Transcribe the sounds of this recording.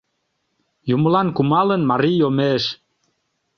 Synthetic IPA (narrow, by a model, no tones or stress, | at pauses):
juməlɑnkumɑlənmɑɾijomeʃ